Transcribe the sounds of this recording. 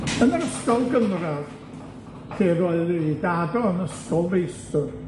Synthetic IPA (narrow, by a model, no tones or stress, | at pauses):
ənəɾəskɔlˠɡənrað̥ | tʰeːroɨðidaːdɔənəskɔlˠvejstɔr